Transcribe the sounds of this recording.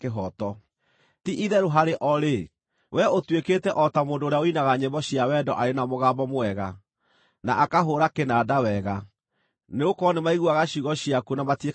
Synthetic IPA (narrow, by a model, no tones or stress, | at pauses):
keɦɔtɔ | tiʔiðɛɾoɦaɾeʔɔɾe | wʔɛotwekeːtɛʔɔtamoːndoːɾeaoinaɣaɲemɔɕiawɛdɔʔaɾenamoɣaːbɔmoɛɣa | naʔːkaɦoɾakenadawɛɣa | neokɔnemaiɣuaɣaɕiɣɔɕiakunamatie